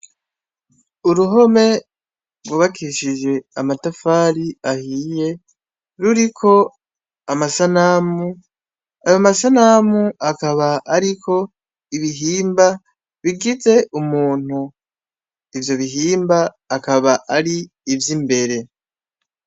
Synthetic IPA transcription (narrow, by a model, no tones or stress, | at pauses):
uɾuɦo̞me̞ | ɡwuβakʰiʃid͡ʒe̞amatafaːɾiahiːje̞ | ɾuɾikʰo̞ | amasanamu | ajomasanamuakaβaaɾikʰo̞ | iβiɦiːmba | βiɡize̞ʔumuːn̥hu | ivjo̞βiɦiːmbaː | kaβaʔaɾiː | vjimbe̞ɾe̞